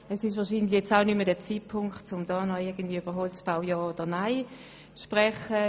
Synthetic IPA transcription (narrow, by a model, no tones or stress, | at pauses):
ɛsɪʃ̬ʋɑːɐʃiːndlɪjɛt͡saʊnymədɛt͡siːpʰʊŋkχtt͡sʊmd̥ɑːnɔɪɐɡən̩d̥viəyb̥əʁɦɔlsb̥aʊjɑːod̥ənaɪ | t͡sʃpʁɛχə